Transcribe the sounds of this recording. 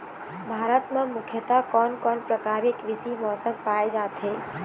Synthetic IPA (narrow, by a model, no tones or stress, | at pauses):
bʱaːɾət̪mẽmukʰjət̪akɔːnkɔnpɾəkaɾikʋisimɔːsəmpajd͡ʒat̪ɦe